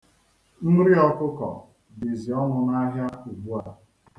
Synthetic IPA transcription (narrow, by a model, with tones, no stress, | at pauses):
n̩˦ɾi˦ɔ˦kʊ˦kɔ̰˨ | bi˨zi˨ɔ˦ŋʊ˨ŋ˦a˦ɦja˦u˨ɡ͡bu˦a˨